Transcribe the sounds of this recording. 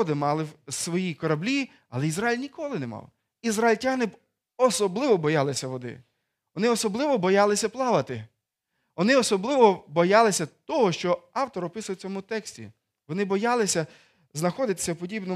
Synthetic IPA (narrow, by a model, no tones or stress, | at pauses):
d̪ɪmɑlˠɪwsʋɔjikɔɾɐblʲi | ɐlˠɛizɾajilʲnʲikɔlˠɪnemɑ̰w | izrɐilʲtʲanɪ | ɔsɔblˠɪʋɔbɔjɑlˠɪsʲɐʋɔd̪ɪ̰ | ʋɔnɪɔsɔblˠɪʋɔbɔjɑlˠɪsʲɐplˠɑʋɐt̪ɪ | ʋɔnɪɔsɔblˠɪʋɔbɔjɑlˠɪsʲɐt̪ɔɦɔʃt͡ʃɔɑwt̪ɔɾɔpɪsʊjt͡sʲɔmʊt̪ɛksʲtʲḭ | ʋɔnɪbɔjɑlˠɪsʲɐ | znɐxɔd̪ɪt̪ɪ̥sʲɐwpɔdʲibnɔ